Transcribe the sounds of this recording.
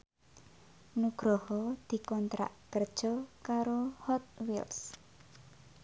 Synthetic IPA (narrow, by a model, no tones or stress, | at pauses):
nuɡ̥ɾɔhɔd̪̥i̤kɔnt̪ɾa̰ʔkərd̥ʒ̥ɔ̤kaɾohɔt̪̚wils